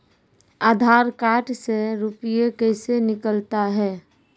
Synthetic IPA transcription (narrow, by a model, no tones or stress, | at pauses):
aːd̪ʱaːɾkaːʈseɾupɪjekɛɪsenɪkəlt̪aɦɛː